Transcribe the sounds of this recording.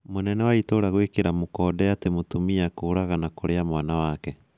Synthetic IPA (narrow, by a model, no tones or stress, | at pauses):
monɛnɛwaitoːɾaɣwekeɾamokɔːdɛatemotumiakoːɾaɣanakoɾeamwaːnawaːkɛ